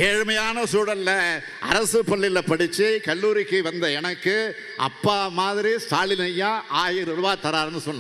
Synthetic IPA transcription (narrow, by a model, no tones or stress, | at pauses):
eːɻmɐjaːnɐsuːɽɐnlɐ | ɐ̰ɾɐsɯpːɐɭːɪlɐpɐɽɪt͡ʃːikɐɭːuːɾɪkːɯʋɐnd̪ɐɛnɐkːɯ | ɐ̰pːaːmaːðɪɾist̪aːɭɪnɐjːãːʔaːjɪɾʊɾɯʋaːt̪ɐɾaːɾɐnːɯsɔnːã